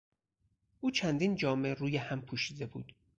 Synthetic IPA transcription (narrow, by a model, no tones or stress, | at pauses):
ʔuːt͡ʃʰænd̪iːnd͡ʒɒːme̞ɾuːjehæmpʰuːʃiːd̪e̞bṵːd̪̥